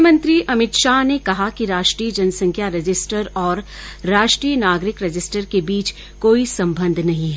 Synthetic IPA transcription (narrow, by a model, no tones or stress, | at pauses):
mə̃nt̪ɾiʔɐmɪt̪ʃaːnekɐɦakiɾaːʃʈɾiːəd͡ʒɐnsɐ̃ŋkʰjaɾɪd͡ʒɪsʈəɾɔːɾː | aːʃʈɾiːjənaːɡɾɪkɾɪd͡ʒɪsʈəɾkebiːt͡ʃ | koːisɐ̃mbə̃nd̪ʱnɐɦĩɦɛ